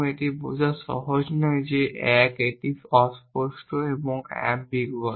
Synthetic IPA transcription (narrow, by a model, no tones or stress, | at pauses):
eʈibuzasɔ̰ɦɔd͡ʒnɔjd͡ʒeɛkeʈibɔspɔsʈɔebɔŋɡɛ̰mbiɡɔ